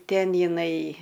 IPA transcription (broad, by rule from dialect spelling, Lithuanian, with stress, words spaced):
ˈtʲɛn jɪˈnɐɪ